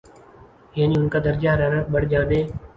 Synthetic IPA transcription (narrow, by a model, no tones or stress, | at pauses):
ɦeːniːʊnkaːd̪əɾd͡ʒaːɾəɾəɓəɽd͡ʒãːʋeː